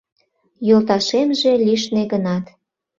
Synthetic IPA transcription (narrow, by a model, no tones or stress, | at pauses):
jolt̪ɑʃemʒeliʃneɣənɑt̪